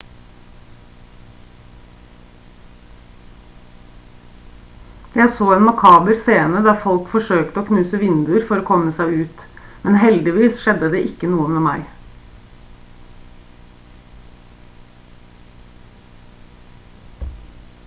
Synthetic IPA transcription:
jæɪsoːeːnmʊkʰɑːbəɾseːnəd̪ɑːɾfɔlkfɔʂøːkt̪əoːkʰnʉːsəʋɪnd̪ʉɾfɔɾoːkʰɔməsæɪʉːt̪mɛnɦɛld̪ɪʋiːsʃɛd̪əd̪eːʔɪkːənuːəmeːmæɪ

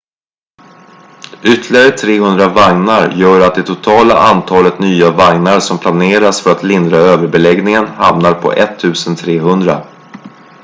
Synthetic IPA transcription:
ʏt̪ʰːlɪɡaɾət̪ʰɾeːɦɵnd̪ɾavaŋnaɾjœːɾat̪̚d̪ɛt̪ʰʊt̪ʰɑːla̰ʔant̪ʰɑːlət̪nyːavaŋnaɾsɔmpʰlaneːɾasfœɾat̪lɪnd̪ɾaøːvəɾbɛlɛɡnɪŋənha̰mnaɾpʰɔ̰ʔɛt̪ʰːʉ̟ːsənt̪ʰɾeːɦɵnd̪ɾa̰

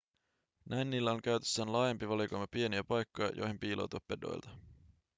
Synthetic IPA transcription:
nʔæjnːiːlːæo̞ŋk̟æɥt̪e̥sːæːnlɑːjempiʋɑlikojmɑpie̞niæpɑjkːojɑ̰jʔo̰jhempiːlʔo̰t̪uɑpːe̞do̞̰jlt̪ɑ̥

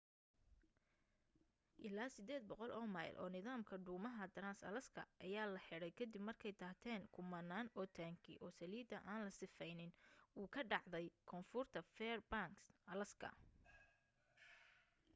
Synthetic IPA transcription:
ʔɪlaːsɪd̪ɛːd̪̚bɔqɔlʔɔːma̰ːjlʔɔ̰ːnɪðaːmkʰɐɖuːmɐɦɐd̪ɾaːnsɐ̰lɐskʰɐ̰ʔɐjaːlɐħɪɽɛjkʰɐd̪ɪbmɐrkʰɛjt̪ʰaːt̪ʰɛːŋkʰʊmɐnːaːnɔːt̪ʰaːŋkʰɪ̰ʔɔːsɐliːd̪ɐʔaːnlɐsɪfɛjnɪnuːkʰɐɖɑʕd̪ɛjkʰɔnfʊrt̪ʰɐfɛːrbaːŋksʔɐlɐskʰɐ̰

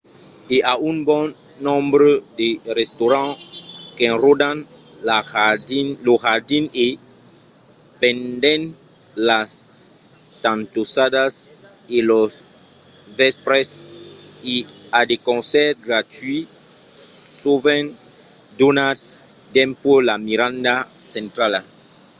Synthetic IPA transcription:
eʔaũnbɔ̃nː | ɔ̃mbɾed̪erest̪oɾãkeẽnrod̪ãnlaadinloɣaɾd̪ĩne | pɛ̃nd̪ɛ̃nlas | t̪ãnt̪osadaselos | vɛspɾes | iad̪ekõnsɛɾɡɾat̪wi | suβẽn | d̪onasd̪ɛ̃mpolamiɾãnd̪asẽnt̪ɾala

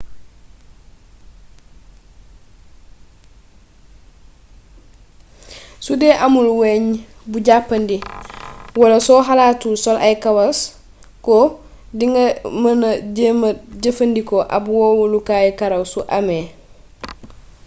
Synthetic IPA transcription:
sudeːʔamulweɲbuɟapːɐndi | wɐlasoːɦalaːtusolʔajkawas | ko | diŋɡamɐnɐɟemɐɟəfɐndikoʔa̰bwoːwulukaːjukaɾawsuʔame

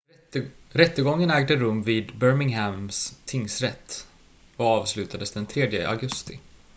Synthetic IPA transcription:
ɾɛt̪ːəɡɔŋːənæːɡd̪əɾɵmːviːd̪bœɾmɪŋɦæmst̪ʰɪŋsɾɛt̪ː | ɔɑːvslʉ̟ːt̪ad̪əsd̪ɛnt̪ʰɾeːd̪jə̰ʔa̰ɡɵst̪ɪ

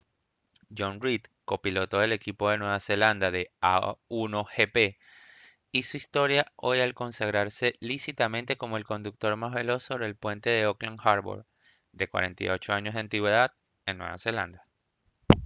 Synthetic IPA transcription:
d͡ʒo̞nrit̪ko̞pilo̞t̪o̞ðe̞le̞kipo̞ðe̞nwe̞βase̞land̪aðe̞a̰uno̞xe̞pe̞ | isuist̪o̞ɾjaʔo̞jalko̞nsaɣ̞ɾaɾse̞lisit̪amẽ̞nt̪e̞ko̞mo̞elko̞nd̪uk̚t̪o̞ɾmazβe̞lo̞so̞βɾelpwe̞nt̪e̞ðe̞oklaŋxaɾβo̰ɾ | d̪e̞kwa̰ɾe̞̰nt̪ajo̞t͡ʃo̞aɲo̞zðeant̪iɣwe̞ðað | e̞nːwe̞̰βa̰se̞la̰nd̪a

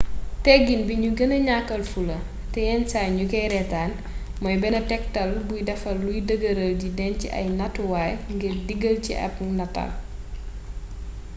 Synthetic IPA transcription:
tɛɡːinbiɲuɡɐnɐɲakːɐlfulɐ | tɛjɛnsajɲukɛjɾɛtaːn | mɔjbɛnɐtɛk̚tɐlbujdɐfɐlːujdəɡəɾɐldidɛnciʔɐ̰jnɐtuwaːjŋɡiɾdiɡəlcḭʔɐ̰p̚nɐtɐ̰l

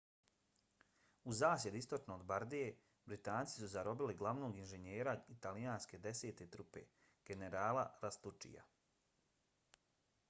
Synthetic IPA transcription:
uzaːsje̞d̪uist̪o̞t͡ʃnoːd̪baɾd̪ije̞ | bɾit̪aːnt̪si̥suzaɾo̞biliɡlˠaʋnoːɡinʒeɲeːɾait̪alijaːnske̞d̪e̞se̞ːt̪e̞t̪ɾupe̞̰ | ɡ̥e̞ne̞ɾaːlaɾast̪ut͡ʃḭja̰

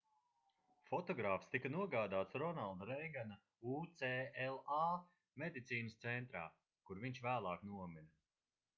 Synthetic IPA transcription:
fɔt̪ɔɡɾaːfst̪ikanuɔɡaːd̪aːt̪sɾɔnalˠd̪aɾejɡana | ut̪seːɛlˠaː | med̪it̪siːnəst̪sɛnt̪ɾa̰ː | kuɾviɲt͡ʃvæːlˠaːknuɔmin

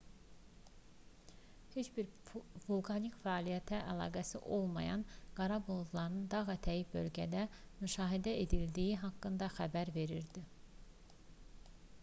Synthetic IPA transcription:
het͡ʃbiɾvulˠkʰɑnikfæːlijæt̪ʰæʔælˠɑ̰ːɡæsḭʔo̞lˠmɑ̰jɑ̰nɡ̥ɑɾɑbolˠd̪lˠɑɾnɯnd̪ɑɣɑt̪ʰæjifbø̞̰lɟæd̪æ | myʃɑːɦid̪æe̞d̪ild̪ijiɦɑkːɯnd̪ɑxæbæɾve̞ɾiɾd̪i

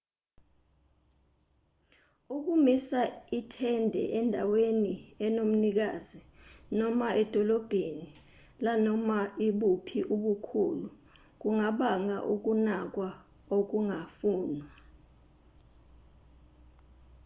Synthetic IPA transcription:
uk̬umisaitʰɛndʱɛ̰ʔɛndʱaweniɛnom̩nik̬aːzinɔmaʔɛd̥ʱɔlɔb̥ʱeni | lanɔmaiɓupʰiʔuɓukʰṵːlu | k̬uŋaɓaŋa̰ʔuk̬unak̬wa | ok̬uŋafuːnwa

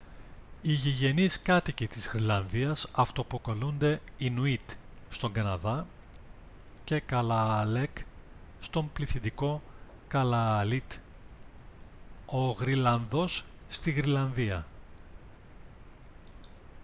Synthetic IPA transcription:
iʝiʝe̞niskɐt̪icit̪izɣɾilɐnðiɐsɐft̪o̞po̞ko̞lund̪e̞inuit̪ | st̪o̞ŋɡɐnɐðɐ | ce̞kɐlɐle̞k | st̪o̞mpliθid̪iko̞ | kɐlɐlit̪ | o̞ɣɾilɐnðo̞sː | t̪iɣɾilɐnðiɐ

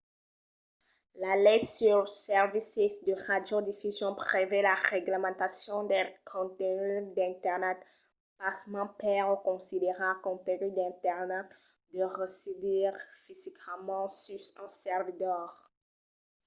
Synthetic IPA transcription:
lalɛt̪syʁsɛʁvisisd̪əʁad̪jod̪ifyzjɔ̃pχevelaʁeɡləmɑ̃t̪asjɔ̃d̪ɛkʰɔ̃t̪enyd̪ɛ̃t̪ɛʁnɛt̪ | pasmɑ̃pɛʁokɔ̃sid̪eʁãkɔ̃t̪enyd̪ɛ̃t̪ɛʁnɛt̪ | d̪əʁəsid̪iʁfizikmɑ̃sysɛ̃sɛʁvid̪ɔʁ

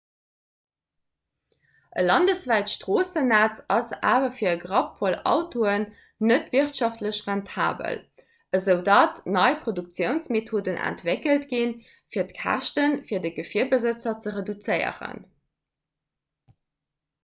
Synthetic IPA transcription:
ʔə̰lɑndəsvæɪtʃtʁ̥oːsənæt͡sɑsa̰ːvɐfiːɐəɡʁɑpfolɑ̰ʊtʰoənː | ətviɐχtʃɑftləɕʁæntʰa̰ːbə̰l | əzəʊdɑtnɑɪpχoduk̚t͡sjəʊnsmetʰoːdənʔæ̰ntvekəltɡin | fiːɐtkʰæ̰ʃtənfiːɐdəɡəfiɐbəzət͡sɐt͡səʁedut͡səɪə̰ʁə̰n

